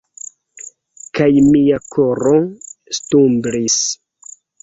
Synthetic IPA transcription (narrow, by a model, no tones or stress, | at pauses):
kajmiakoɾostumbɾis